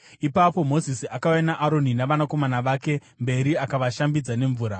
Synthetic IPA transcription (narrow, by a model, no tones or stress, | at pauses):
ipapo̞mo̞zisiakawanaʔaɾo̞ninaʋanako̞manaʋaːke̞ | mbe̞ɾiakaʋaʃambid͡zane̞ɱvuːɾa